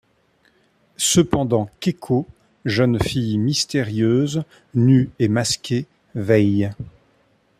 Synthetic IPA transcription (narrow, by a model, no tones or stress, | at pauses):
səpɑ̃d̪ɑ̃kekʰo | ʒənfijmist̪eʁjøːz | nyemaskʲʰe | vɛj